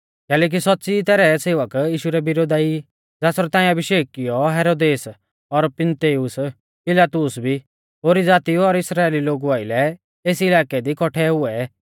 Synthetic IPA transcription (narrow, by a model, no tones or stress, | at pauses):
kɛːlɛːk̬isɔt̪ːsit̪ɛːɾɛseːʋəkiːʃuɾɛbɪɾoːd̪aːi | d͡zaːsɾɛt̪ãːĩɐbɪʃeːk̚ːɪjɔɦɛːɾoːd̪eːs | ɔɾpɪnt̪eːʊs | pɪlaːt̪ʊsbʱi | ɦoːɾid͡zaːt̪iuɔɾɪsɾaːeːliloːɡuaːɪlɛ | eːsɪlaːkɛd̪ikɔʈʰɛɦʊɛ